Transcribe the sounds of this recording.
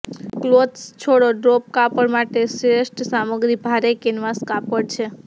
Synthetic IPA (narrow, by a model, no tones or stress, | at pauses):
klot̪st͡ʃʰoɽoɖɾop̚kapəɽmaʈesɾesʈsaməɡɾibʱaɾekenʋaskapəɽt͡ʃʰe